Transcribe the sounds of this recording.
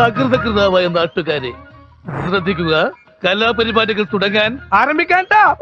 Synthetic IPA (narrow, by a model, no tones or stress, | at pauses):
ɐkrɨðɐk̬rɨðaːʋaːjenːaːʈːukːaːɾḛ | srɐd̪ʱːikʲːuɣɐ | kɐlːaːp̬ɐɾibaːɾɐɣɐɭt̪uɽɐŋːaːnaːrɐmbʱikʲːaːɳʈaː